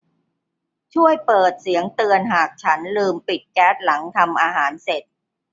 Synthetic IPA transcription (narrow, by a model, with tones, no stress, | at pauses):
t͡ɕʰu˥˩əjpɤː˨˩t̪̚si˩˦əŋt̪ɯ˧ənɦaː˨˩k̚t͡ɕʰa˦˥nlɯː˧mpi˨˩t̪̚kɛː˦˥t̪̚la˩˦ŋt̪ʰa˧mʔaː˧ɦaː˩˦nse˨˩t̪̚